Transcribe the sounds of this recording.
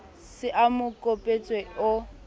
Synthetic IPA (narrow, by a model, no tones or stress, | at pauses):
sɪʔamʊkʼopʼet͡sʼweʊ